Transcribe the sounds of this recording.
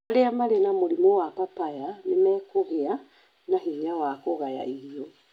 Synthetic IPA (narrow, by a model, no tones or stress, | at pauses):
leamaɾenamolimowapapajanemɛːkoɣea | naɦiawakoɣaja̰iɾiɔ